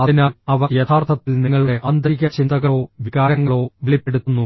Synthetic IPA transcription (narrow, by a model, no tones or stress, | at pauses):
ɐðinaːɭɐʋɐjɐt̪ʰaːrt̪ʰɐt̪ːilniŋːɐɭɽe̞ʔɐnd̪riɣʲɐt͡ɕind̪ɐɣɐɭo̞ːʋiɣaːɾɐŋːɐɭo̞ːʋeɭipːe̞ɽut̪ːunːu